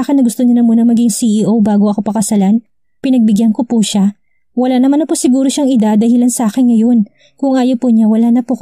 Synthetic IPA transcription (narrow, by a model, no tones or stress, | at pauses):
akɪnːɐɡʊst̪oɲɐnɐmuːnɐmɐɡiŋsiʔiʔowbaːɡoʔɐko̞pɐkɐsɐlan | pɪnɐɡ̚bɪɡjankopuʃa | wɐlaːnɐmanɐpʊsɪɡuːɾoʃaŋɪd̪ad̪ɐhɪlansɐʔaːkɪnŋɐjo̞n | kʊŋʔaːjopʊɲawɐlanɐpo